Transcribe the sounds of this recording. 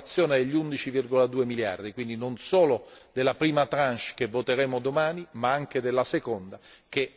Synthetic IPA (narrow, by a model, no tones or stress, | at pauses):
t̪sːjoːned̪eʎːund̪it͡ʃivirɡolad̪uːemilja̰rd̪ikwind̪inonsoːlod̪elːapɾiːmat̪ɾant͡ʃkevːot̪eɾɛːmod̪omaːnimaaŋk̟ed̪elːasekond̪ak̟e